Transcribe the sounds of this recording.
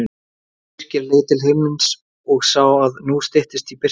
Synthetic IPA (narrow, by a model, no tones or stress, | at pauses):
r̥cɪɾleːjt̪ɪlɦɪmɪns | ɔɣsaːwaðnust̪ɪht̪ɪst̪ipɪ̥